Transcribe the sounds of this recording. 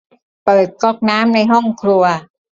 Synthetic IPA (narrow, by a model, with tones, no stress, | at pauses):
pɤː˨˩t̪̚kɔː˥˩k̚naː˦˥mna˧jɦɔ˥˩ŋkʰɾu˧ɐ